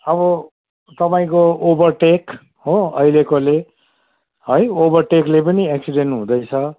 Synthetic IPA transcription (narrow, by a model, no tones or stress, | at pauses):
ʌbʌ | t̪ʌpaĩkoobʌrʈek | ɦoʌ̰ilekole | ɦojobʌrʈeklepʌnieksiɖenʈɦũd̪ʌjt͡sʰʌ